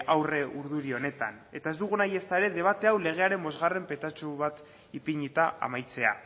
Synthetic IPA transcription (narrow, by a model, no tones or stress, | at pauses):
ʔawre̞ʔuɾðuɾio̞ne̞t̪ane̞t̪ae̞zd̪uɣ̞unaje̞st̪aeɾe̞ðe̞βat̪e̞awle̞ɣ̞e̞aɾe̞mbo̞zɣare̞mpe̞t̪at͡suβat̪ | ipiɲit̪aʔa̰majt͡se̞a̰